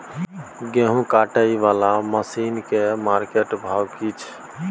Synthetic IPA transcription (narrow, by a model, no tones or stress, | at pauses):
ɡẽɦũkaʈəiʋalaməsiːnkemaɾkeʈbʱawkit͡ʃʰ